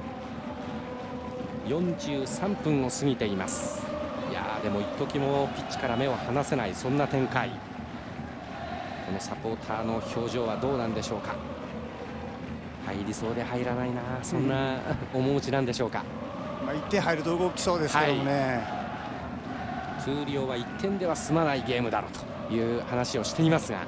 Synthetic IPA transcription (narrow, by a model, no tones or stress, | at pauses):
jõ̞ɲ̟d͡ʑɨːsãmpɯ̟̃ɰ̃o̞sɨŋʲit̪e̞imasɨ̥ja̰d̪e̞mo̞it̪ːo̞kʲimo̞pʲi̥tt͡ɕi̥kaɾame̞o̞hanase̞naisõ̞nːat̪ẽ̞ŋkaḭ | ko̞no̞sapo̞ːt̪ʰaːno̞ço̞ːʑo̞ːβad̪o̞ːnãnd̪e̞ɕo̞ːka | haiɾʲiso̞ːd̪e̞haiɾanainasõ̞nːaomo̞mɯ̟t͡ɕinãnd̪e̞ɕo̞ːka̰ | mait̪ːẽ̞ɦaiɾɯ̟t̪oɯɡo̞kʲi̥so̞ːd̪esakione | kʰɯːɾʲo̞ːβait̪ʰːẽ̞nd̪e̞βasɨmanaiɡe̞ːmɯ̟d̪aɾo̞̰ːt̪o̥ | jɯ̟ːhanaɕio̞ɕi̥t̪e̞imasɨɡa̰